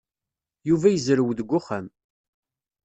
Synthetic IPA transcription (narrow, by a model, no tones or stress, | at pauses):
juvæjəzɾəwðəɡʷːʊχæm